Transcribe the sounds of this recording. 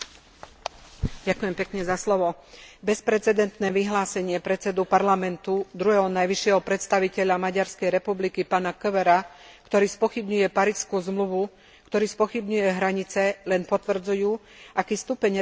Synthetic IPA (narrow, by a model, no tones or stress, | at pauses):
ɟakujɛmpɛkɲɛzaslɔʋɔbɛspɾɛt̪t͡sɛd̪ɛnt̪nɛːʋiɦlaːsɛɲɪɛpɾɛt̪t͡sɛd̪upaɾlamɛnt̪ud̪ɾuɦɛɦɔnajʋiʃɪɛɦɔpɾɛt̪st̪aʋicɛʎamaɟaɾskɛjɾɛpublikipaːnakəʋɛɾakt̪ɔɾiːspɔxibɲujɛpaɾiːskuzmluʋu | kt̪ɔɾiːspɔxibɲujɛɦɾaɲit͡sɛlɛnpɔt̪ʋr̩d͡zujuː | ʔakiːst̪upɛɲ